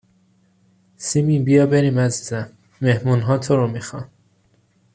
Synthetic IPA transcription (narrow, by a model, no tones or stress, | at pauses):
simiːbijɒːbe̞ɾiːmæziːzæmː | ehmuːnɦɒːt̪ʰoɾomixɒn